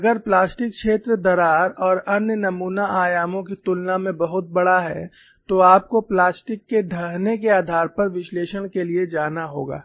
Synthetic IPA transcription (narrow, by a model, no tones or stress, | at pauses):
ɐɡəɾplaːsʈɪkʃeːt̪ɾəd̪ɐɾaːɾɔːɾɐnjənɐmuːnaʔaːjaːmõkit̪ʊlnamẽbɐɦʊt̪̚bɐɽaɦɛ̰ | t̪oaːp̚koplaːsʈɪkːeɖʱɐɦnekeaːd̪ʱaːɾpɐɾʋɪʃleːʃəɽ̃kelied͡ʒaːnaɦoːɡa̰ː